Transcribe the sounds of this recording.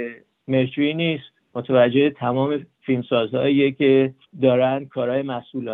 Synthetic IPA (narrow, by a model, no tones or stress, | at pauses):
meɾtʰɾiniːst̪ | mot̪ʰevæd͡ʒːe̞et̪ʰæmɒːme̞filmsɒːzhɒ̰ːiːjecʰe | d̪ɒːɾænd̪̥̚kʰɒːɾɒːjemæsʔulɒː